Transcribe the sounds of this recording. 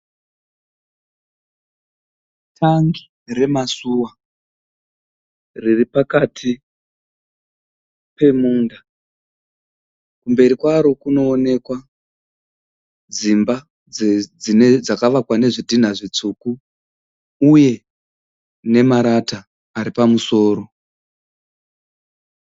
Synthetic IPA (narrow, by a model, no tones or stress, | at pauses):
tʰaŋɡi | re̞masuwa | riripakatʰi | pe̞muːnda | kumbe̞ɾikwaɾo̞kuno̞ːne̞kwa | d͡zimba | d͡zd͡zined͡zakaʋakwane̞ʐidʱin̤aʐit͡suːku | uje̞ | ne̞maɾataː | ɾipamuso̞ːɾo̞